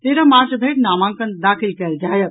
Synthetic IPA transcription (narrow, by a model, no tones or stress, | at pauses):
t̪eːɾãmaːɾt͡ʃbʱeːʈnaːmãːŋkənd̪aːkʰilkɛld͡ʒaːjə